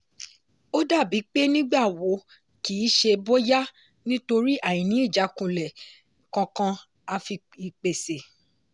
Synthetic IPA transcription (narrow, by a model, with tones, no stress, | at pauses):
o˦da˦˨bi˨˦k͡pe˦nĩ˦ɡ͡ba˦˨wo˨˦ | ki˨˦ʃe˧bo˦ja˦ | nĩ˦to˧ɾi˦ʔa˦˨jĩ˨nĩ˨˦i˦˨d͡ʒa˨˦kũ˨lɛ˨ | kɔ̃˧kã˧ | a˧fi˧ | i˧˨k͡pe˨se˨